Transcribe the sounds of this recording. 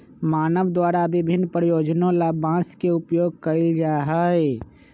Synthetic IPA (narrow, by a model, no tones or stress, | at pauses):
maːnəʋd̪waːɾabɪbʱɪnːpɾəjoːd͡ʒnõlabãːskeʊpjoːɡ̚kəɪld͡ʒaːɦəe